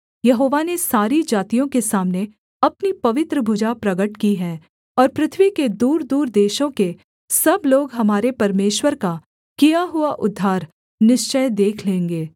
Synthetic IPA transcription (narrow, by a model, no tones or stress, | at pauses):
jɐɦoːʋanesaːɾid͡ʒaːt̪ijõkesaːmne | ɐpnipɐʋɪt̪ɾəbʱʊd͡ʒapɾɐɡəʈkiɦɛ̃ː | ɔːɾpɾɪt̪ʰʋiked̪uːɾd̪uːɾd̪eːʃõke | sɐbloːɡɦɐmaːɾepɐɾmeːʃwəɾka | kijaɦʊaʔʊd̪ʱːaːɾ | nɪʃt͡ʃəjd̪eːkʰlẽːŋɡeː